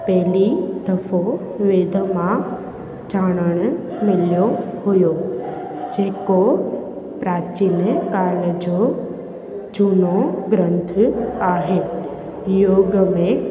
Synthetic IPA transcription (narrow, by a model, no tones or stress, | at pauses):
pɛɦlid̪ɐfo | ʋeːd̪ʱəmã | d͡ʑaːɽ̃əɽ̃ʊ | mɪlijohʊjo | d͡ʑeːko | pɾaːt͡ɕinəkaːɾləd͡ʑo | d͡ʑuːnoɡɾə̃nt̪ʰaːɦe | joːɡmẽ